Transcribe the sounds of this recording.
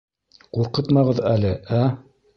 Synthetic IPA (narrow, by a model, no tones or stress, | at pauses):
quɾqɤt̪mɑʁɤðælɘæ